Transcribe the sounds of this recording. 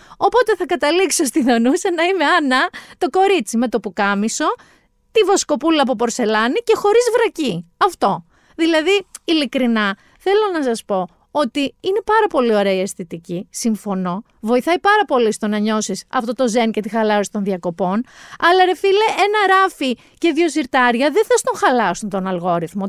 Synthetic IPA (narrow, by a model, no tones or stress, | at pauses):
o̞po̞t̪e̞θɐkɐt̪ɐliksost̪iðo̞nusɐnɐime̞ɐnɐt̪o̞ko̞ɾit͡sime̞t̪o̞pukɐmiso̞ | t̪ivosko̞pulɐːp̬opo̞ɾse̞lɐnice̞xo̞ɾizvɾɐciɐft̪o̞ | ðilɐðiilikɾinɐ | θe̞lo̞nɐsɐspo̞ | o̞t̪iine̞pɐɾɐpo̞lio̞ɾe̞ɐiest̪it̪icisiɱfo̞no̞ | vo̞iθɐjpɐɾɐpo̞list̪o̞nɐɲo̞sisɐ̰ft̪o̞t̪o̞ze̞nce̞t̪ixɐlɐɾosi̥t̪o̞nðiɐko̞po̞nɐlɐɾe̞fileenɐɾɐfi | ce̞ðʝo̞siɾt̪ɐɾʝɐðeθɐst̪o̞ŋxɐlɐsunt̪o̞nɐlɣo̞ɾiθmo